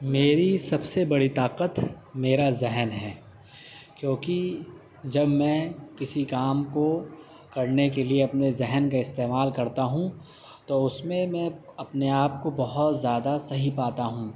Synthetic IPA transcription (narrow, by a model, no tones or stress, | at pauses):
meːɾisɐbsebɐɽit̪aːqət̪meːɾazɪɦnɦɛː | kjõːki | d͡ʒɐbmɛ̃ːkɪsikaːmko | kɐɾnekelieɐpnezɪɦnkaɪst̪eːmaːlkɐɾt̪aɦũ | t̪oʊsmẽmɛ̃ɐpneaːp̚kobɐɦʊt̪zjaːd̪asɐɦipaːt̪aɦũː